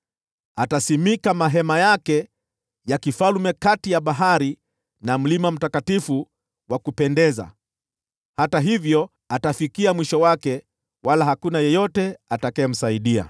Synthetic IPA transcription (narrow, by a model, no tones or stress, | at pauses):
atasimikamaɦɛmajakɛ | jakifalumɛkatijaɓaɦaɾi | nam̩limam̩takatifu | wakupɛndɛza̰ | hataɦivjɔ | atafikiamwiʃɔwakɛ | walaɦakunajɛjɔtɛatakaɛm̩saiɗia̰